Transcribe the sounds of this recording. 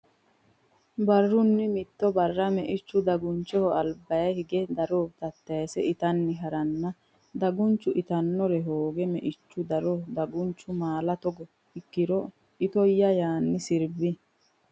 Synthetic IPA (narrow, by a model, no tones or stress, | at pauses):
bɐrːʊnːɪmɪt̪ːɔbɐrːɐmɛʔɪt͡ʃːʊd̪ɐɡʊnt͡ʃːɔhɔɐlbɐjɐjhɪɡɛd̪ɐɾot̪ɐt̪ːɐjɐsɛɪt̪ɐnːɪɦɐɾɐnːɐ | d̪ɐɡʊnt͡ʃːʊʔɪt̪ɐnːɔɾɛɦoːɡɛmɛʔɪt͡ʃːʊd̪ɐɾɔd̪ɐɡʊnt͡ʃːʊmaːlɐt̪ɔɡɔ | ɪkːɪɾɔ | ɪt̪ɔjːɐjaːnːɪsɪɾbɪ